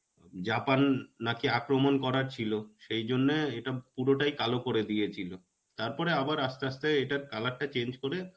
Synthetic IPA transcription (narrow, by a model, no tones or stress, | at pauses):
d͡ʑapanːakiakɾomonkɔɾaɾt͡ɕʰiloʃejd͡ʑonːeeʈapuɾoʈajkalokoɾed̪ijet͡ɕʰilo | t̪aɾpɔɾeabaɾast̪east̪eeʈaɾkalak̚ʈat͡ɕend͡ʑkoɾe